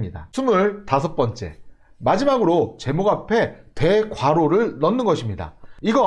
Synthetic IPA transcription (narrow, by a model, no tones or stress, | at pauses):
ɲida̰sʰumuɭtasʰʌk̚p͈ʌnt͡ɕ͈e̞̰ | mad͡ʑimaɡɯɾot͡ɕe̞moɡapʰe̞te̞kwaɾoɾɯɭnʌnːɯnɡʌɕʰimɲida̰iɡʌ